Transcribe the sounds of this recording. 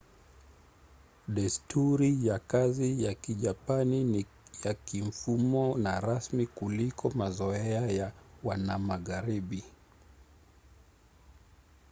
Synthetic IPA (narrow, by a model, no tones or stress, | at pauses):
ɗɛstuɾijakazijakiʄapani | jakim̩fumɔnaɾasmikulikʰɔmazɔɛɛajawanamaɣaɾiɓi